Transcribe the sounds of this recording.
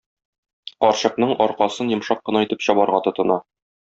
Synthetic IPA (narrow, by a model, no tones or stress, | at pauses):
qɒɾɕɤ̆q̚nɤɴɒɾqɑsɤnjɤ̆mʃɑqːɤ̆nɑit̪ɘpɕɒbɑɾʁɑt̪ŏt̪ɤ̆nɑ